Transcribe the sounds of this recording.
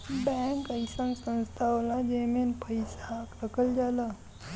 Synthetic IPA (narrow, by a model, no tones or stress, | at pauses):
bɛ̃ŋkəjsənsə̃nst̪ʰaolad͡ʒemenpəjsakɾəkəld͡ʒala